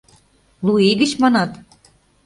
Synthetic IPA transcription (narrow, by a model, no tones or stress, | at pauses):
lueɡə̆t͡ɕmɑnɑt̪